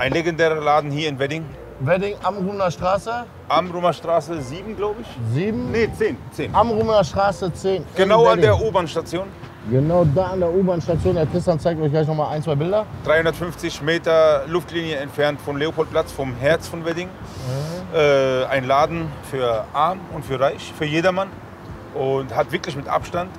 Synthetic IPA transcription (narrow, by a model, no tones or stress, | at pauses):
ʔaɪnleɡɛndɛːʁɐlaːdn̩hiːɐɪnvɛdɪŋ | vɛdɪŋʔamʁuːmnɐʃtʁ̥aːsə | ʔamʁumɐʃtʁ̥aːsəziːbm̩ɡlaʊbəɪçziːbm̩net͡seːnt͡seːnʔamʁuːmnɐʃtʁ̥aːsət͡seːnɡ̥ənaʊadeːɐʔuːbaːnʃtat͡sjoːn | ɡənaʊdaːandeːɐʔuːbaːnʃtat͡sjoːnːɐtʰɪstant͡saɪktɔɪçɡlaɪç̬nɔχmaːlʔaɪnt͡sv̥aɪbɪldɐd̥ʁaɪhʊndɐtfʏnft͡sɪçmeːtɐlʊftliːnjəɛntfɛɐntfɔmleːopʰɔlt̚pʰl̥at͡sfɔmɦɛɐt͡sfɔnvɛdɪŋ | ʔɛːaɪnlaːdn̩fyːɐʔaɐmʊntfyːɐʁaɪçfyːɐjeːdɐman | ʔʊnthatv̥ɪɐklɪçmɪtʔa̰pʃtant